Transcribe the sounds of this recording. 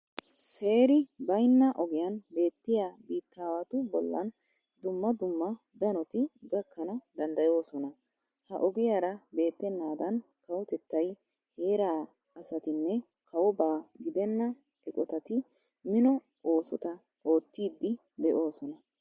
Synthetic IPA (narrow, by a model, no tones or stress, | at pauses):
se̞ːɾɪbɐjnːɐʔɔɡɪjɐnbe̞ːt̪ːɪjaːbiːt̪ːaːwat̪ʊbɔ̰lːɐ̰n | d̪ʊmːɐd̪ʊmːɐ | d̪ɐnɔt̪ɪɡɐkʰːɐnɐd̪ɐnd̪ɐjo̞ːsɔnɐ | hɐ̰ʔɔɡɪjaɾɐbe̞ːt̪ːɛnːaːd̪ɐn | kɐwɔt̪ɛt̪ːɐj | he̞ːɾaː | ɐsɐt̪ɪnːɛ | kʰɐwɔbaːɡɪd̪ɛnːɐ | ɛkʼɔt̪ɐt̪ɪ | mɪnɔ | o̞ːsɔt̪ɐ | oːt̪ːiːd̪ːɪ | d̪ɛʔo̞ːsɔnɐ